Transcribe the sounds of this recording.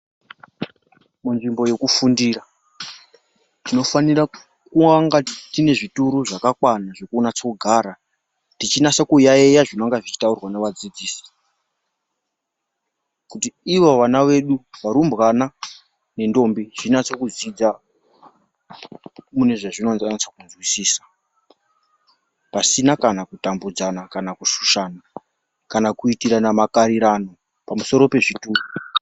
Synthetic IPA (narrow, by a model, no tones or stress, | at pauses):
munʐimbo̞je̞kufundira | tino̞fanira | kuaŋɡatine̞ʐituɾuʐakakwanaʐekuonat͡sokuɡʱaːɾa | tit͡ʃinasokujaejaʐinaŋɡaʐit͡ʃi̥taurwaneʋad͡zid͡ziːsi̥ | kutiiʋo̞ʋanaʋe̞ɗuʋaɾumbɣana | ne̞ndo̞mbiʐ̥inat͡sokuzid͡za | mune̞ʐaʐinonanit͡sakunzwisiːsḁ | pasinakanakutambud͡zanakanakuʃu̥ʃaːna | kanakuitiɾanamakaɾiɾano̞ | pamuso̞ɾo̞pe̞ʐituːku